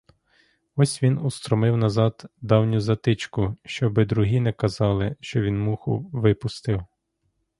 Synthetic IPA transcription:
ɔsʲʋʲinust̪ɾɔmɪwnɐzɑd̪d̪ɑwnʲʊzɐt̪ɪt͡ʃkʊʃt͡ʃɔbɪd̪ɾʊɦʲinɛkɐzɑlˠɪʃt͡ʃɔʋʲinmuxʊ̰ʋɪpʊst̪ɪw

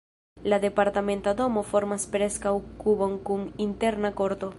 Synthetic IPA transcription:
laðepaɾt̪amẽnt̪ad̪omofoɾmaspɾeskawkuβoŋkuŋint̪eɾnakoɾt̪o

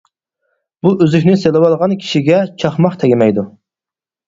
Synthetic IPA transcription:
b̥uʔøzykʲnɪselɪwɑlˠʁɑnkʲʰi̥ʃiɡʲɛt͡ʃʰɑχmɑχt̪ʰɛɡʲɪmɛjd̪u

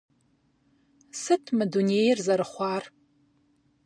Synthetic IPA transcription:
sɨtʰmɨdunejrzaɾɨχʷar

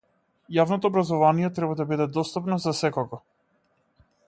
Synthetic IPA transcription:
javnɔt̪ɔːbɾazɔvanijɛt̪ɾɛbad̪abid̪ɛd̪ɔst̪apnɔzasɛkɔɡɔ

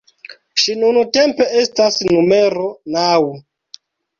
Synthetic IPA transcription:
ʃinunute̞mpe̞ʔestasnumeɾo̞nawu

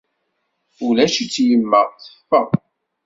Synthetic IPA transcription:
ulæʃit͡sːjəmːəʁθə̥fːəðˤ

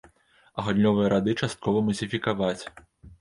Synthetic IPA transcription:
ɐɣalʲnʲɔvɨjɐɾad̪ɨt͡ʂast̪̚kɔvɐmɐzʲifʲikavat͡sʲ

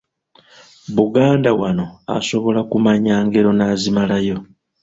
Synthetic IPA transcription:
βuɡaːndawano̞a̰so̞βo̞lakumaɲaːŋɡe̞ɾo̞naːzimalajo̞

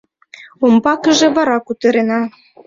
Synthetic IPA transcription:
ombɑkə̆ʒĕβɑɾɑkut̪ɤ̆ɾenɑ

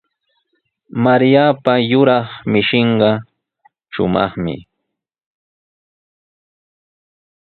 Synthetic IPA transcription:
maɾjapajʊɾɑχmɪʃɪɴɢɑ | ʃʊ̰mɑ̰χmɪ̰

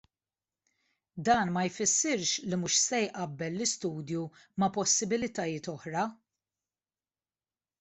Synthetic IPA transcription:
d̪ɐːnmɐjfɪsːɪɾʃlimʊʃsɛjʔɐbːɛlːɪst̪uːd̪jumɐpɔsːɪbɪlɪt̪ɐjɪːt̪ɔħɾɐ

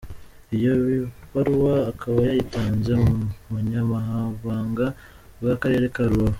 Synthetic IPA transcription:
ijo̞βiβaɾuwaːkʰaβajajitaːɲzemuɲamaɦaːɱvaːŋɡa | bɡakaɾe̞ːɾekaɾuwa

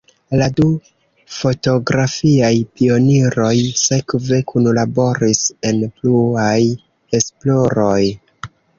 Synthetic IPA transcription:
ladu | fo̞to̞ɡɾafiajpio̞niɾo̞jse̞kve̞kʰunlabo̞ɾise̞npluaj | e̞splo̞ɾo̞j

